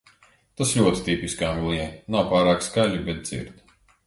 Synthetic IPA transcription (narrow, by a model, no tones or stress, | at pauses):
t̪aslʲuɔt̪i̥t̪ipiskaːvilˠiɛnawpaːɾaːkskalʲibɛt̪̚d̪zḭɾd̪